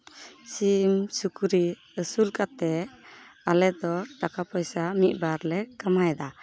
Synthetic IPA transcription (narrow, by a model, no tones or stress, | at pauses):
simsukuɾi | əsulkat̪ɛ | alɛd̪ɔʈakapɔjsamit̪̚ˀbaɾlɛkamajd̪a